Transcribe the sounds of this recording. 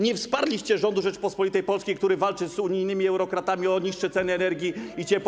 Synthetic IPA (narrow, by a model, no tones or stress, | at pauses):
ɲɛfspaɾlʲiɕt͡ɕɛʐɔnd̪uʐɛt͡ʂpɔspɔlʲit̪ɛjpɔlskʲejkt̪uɾɘvalt͡ʂɘzuɲijnɘmʲiɛwɾɔkɾat̪amʲiɔɲiʂt͡ʂɛt̪sɛnɘɛnɛɾɡʲiit͡ɕɛp